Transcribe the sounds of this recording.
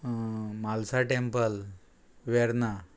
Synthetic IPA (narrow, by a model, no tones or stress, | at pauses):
malsaʈempəl | ʋɛɾna